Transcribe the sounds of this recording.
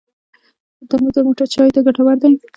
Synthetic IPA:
d̪amuɡd̪əmoʈaɾt͡ʃɑjt̪aɡaʈawaɾd̪aj

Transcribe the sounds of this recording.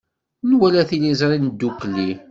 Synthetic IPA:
nwælæθilizɾˤind̪ːukli

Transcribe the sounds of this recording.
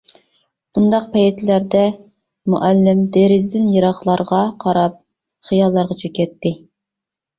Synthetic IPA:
bund̪ɑq̚pʰɛjet̪ʰlæɾd̪ɛ | muʔælːɪmd̪eɾɪzd̪ɪnjɑɾɑχlˠɑɾʁɑqʰɑɾɑp̚ | χijɑlˠːɑɾʁɑt͡ʃʰekʲɛt̪ːɪ

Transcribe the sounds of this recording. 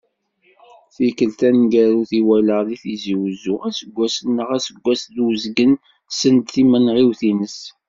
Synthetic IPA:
θikəlt̪ænɡæɾuθiwæləʁðiθiziwzuæsəɡʷːæsənːəʁæsəɡʷːæsðwəzɡən | sənd̪θimənʁiwθinəs

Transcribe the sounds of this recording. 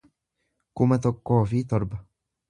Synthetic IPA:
kʊmat̪̬akːɔːfiːt̪ɑɾˤba

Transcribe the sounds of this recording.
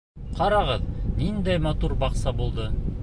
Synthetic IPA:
qʰɑɾɑʁɤðnind̪æjmɑt̪uɾbɑqsɑbulˠd̪ɤ

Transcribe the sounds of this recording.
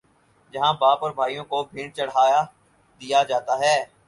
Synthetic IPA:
d͡ʒɐɦãːbaːpɔːɾbʱaːijõkobʱĩːɳt͡ʃɐɽ̤ɦaːja | d̪ijad͡ʒaːt̪aɦɛː

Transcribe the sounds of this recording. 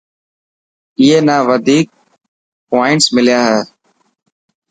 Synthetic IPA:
ɪːeːnaːʋəd̪ʱiːk̚ | poːɪɳʈsmɪlɪjaːɦɛː

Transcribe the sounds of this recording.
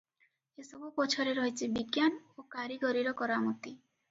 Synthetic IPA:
esɔbupɔt͡ʃʰoɾeɾoɦet͡ʃʰibiɡjanokaɾiɡɔɾiɾɔkɔɾamot̪i

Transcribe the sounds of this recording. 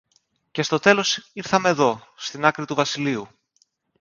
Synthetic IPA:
ce̞st̪o̞t̪e̞lo̞siɾθɐme̞ːðo̞st̪inɐkɾit̪uvɐsiliu

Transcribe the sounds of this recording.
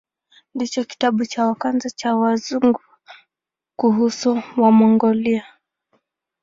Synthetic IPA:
ndit͡ʃɔki̥taɓut͡ʃawakanzat͡ʃawazuŋɡu | kuɦusuwamɔŋɡɔlia

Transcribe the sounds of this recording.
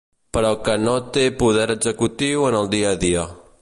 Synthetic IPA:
pəɾɔkənot̪epuð̞ɛɾəɡzəkut̪iwənəlˠd̪iəðiə

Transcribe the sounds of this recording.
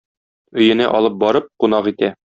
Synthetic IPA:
ɵ̆jɘ̆næʔɒ̰lˠɤp̚bɒɾɤp̚qun̪ɑqit̪æ

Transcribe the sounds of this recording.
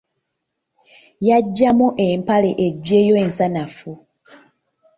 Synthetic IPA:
jaɟːamuʔempaleʔeɟːeːjoensanafu

